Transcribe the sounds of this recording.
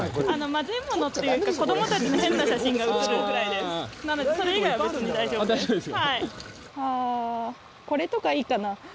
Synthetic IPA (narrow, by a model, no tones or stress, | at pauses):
ano̞mazɨimːo̞no̞t̪ːe̞jɯ̟ːkako̞d̪o̞mo̞t̪at͡ɕinohẽ̞nːaɕaɕĩŋɡaɯ̟t͡sɨɾɯɡɯ̟ɾaid̪e̞sɨnanod̪e̞so̞ɾe̞iɡaiβabet͡sɨɲ̟id̪aiʑobd̪aʑob̪eshai | aː | ko̞ɾe̞t̪o̞kaiːkana